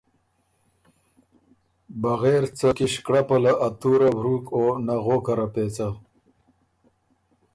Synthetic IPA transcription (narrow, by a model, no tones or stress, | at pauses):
baɣeːɾt͡səkiɕkɽapalaʔat̪uɾabɾukonaɣokaɾapeːt͡sa